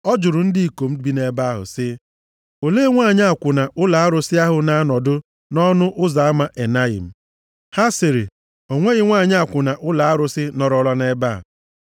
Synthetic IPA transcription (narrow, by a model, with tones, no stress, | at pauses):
ɔ˦d͡ʒʊ˨ɾʊ˨n̩˦dɪ˦i˨ko˨m̩˦˨bi˦ne˦ba˦a˦ɦʊ̰˨sɪ˦ | o˨leː˦ŋʷa˦˨ɲ˦a˨kʷʊ˨na˨ʔʊ˦la˨a˦ɾʊ˨sɪ˦a˦ɦʊ˨na˦a˦nɔ˨dʊ˦ | nɔ˦nʊ˦ʔʊ˦za˨a˦ma˨ʔe˨na˦ɪ̰˨m̩˨ | ha˦sɪ˨ɾe˨ | o˨ŋʷe˦ɣɪ˦ŋʷa˦˨ɲ˦a˨kʷʊ˨na˨ʔʊ˦la˨a˦ɾʊ˨sɪ˦nɔ˨ɾɔ˦la˦ne˦ba̰˦˨